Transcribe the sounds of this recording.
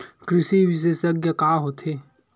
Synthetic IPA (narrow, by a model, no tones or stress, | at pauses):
kɾɪsibiʃ̬esɐɡjəkaːɦoːt̪ʰeː